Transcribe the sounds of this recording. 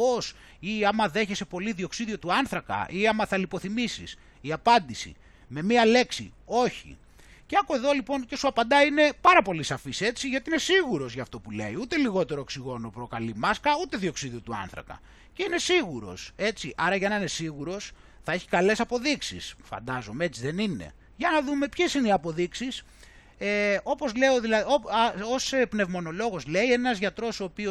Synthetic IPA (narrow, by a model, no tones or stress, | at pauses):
os | iɐmɐðe̞çese̞po̞liðio̞ksiðio̞t̪uɐnθɾɐkɐ̰ʔiɐmɐθɐlipo̞θimisis | iɐpɐnd̪isḭ | me̞miɐle̞ksḭ | o̞çḭ | ceɐkoeðo̞lipo̞ncesuɐpɐnd̪ɐine̞pɐɾɐpo̞lisɐfise̞t͡siʝɐt̪iine̞siɣuɾo̞zʝɐːft̪o̞pule̞̰iut̪e̞liɣo̞t̪e̞ɾooksiɣo̞nopɾo̞kɐlimɐskɐut̪e̞ðio̞ksiðio̞t̪uɐ̰nθɾɐ̰kɐ̰ | ce̞ine̞siɣuɾo̞̰se̞t͡s̪iʔɐɾɐʝɐnɐine̞siɣuɾo̞s | θɐe̞çi̥kɐle̞sɐpo̞ðiksḭsfɐ̰nd̪ɐzo̞mee̞t͡siðe̞nine̞̰ | ʝɐnɐðume̞pçe̞sineiɐpo̞ðiksis | eo̞po̞zle̞o̞ðilɐðoosepne̞vmo̞no̞lo̞ɣo̞zle̞ie̞nɐzʝɐt̪ɾo̞soːpio